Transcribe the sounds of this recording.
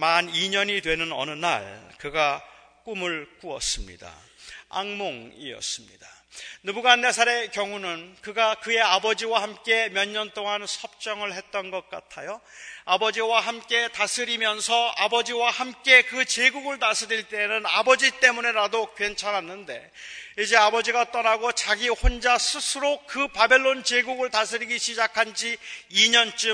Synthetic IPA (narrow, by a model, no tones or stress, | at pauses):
maniɲʌɲidwe̞nɯnʌ̰nɯna̰ɭkɯɡa | k͈umɯɭkuʌ̰s͈ɯmɲḭda̰ | a̰ŋmoŋḭʌ̰s͈ɯmɲḭdanɯbuɡanːe̞sʰaɾe̞kjʌŋunɯnkɯɡakɯje̞abʌd͡ʑiwahamk͈e̞mjʌɲːʌnt͈oŋansʰʌp̚t͡ɕ͈ʌŋɯɭɦe̞t̚t͈ʌnɡʌt̚k͈atʰajoabʌd͡ʑiwaɦamk͈e̞tasʰɯɾimjʌnsʰʌabʌd͡ʑiwahamk͈e̞kɯt͡ɕe̞ɡuɡɯɭtasʰɯɾiɭt͈e̞nɯnabʌd͡ʑit͈e̞mune̞ɾadokɥe̞nt͡ɕʰanɦanːɯnde̞̰ | id͡ʑe̞abʌd͡ʑiɡat͈ʌnaɡot͡ɕaɡihond͡ʑasʰɯsʰɯɾokɯpabe̞ɭːont͡ɕe̞ɡuɡɯɭtasʰɯɾiɡiɕʰid͡ʑakʰand͡ʑiiɲʌnt͡ɕ͈ɯ